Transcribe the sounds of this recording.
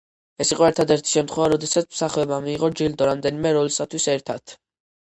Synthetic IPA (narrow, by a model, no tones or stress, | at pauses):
ɛsiqʼɔɛɾt̪ʰad̪ɛɾt̪ʰi̥ʃɛmt̪ʰχwɛvaɾɔd̪ɛsat̪sʰmsaχɛɔbamiːʁɔd͡ʒild̪ɔɾamd̪ɛnimɛɾɔlisat̪ʰwisɛɾt̪ʰat̪ʰ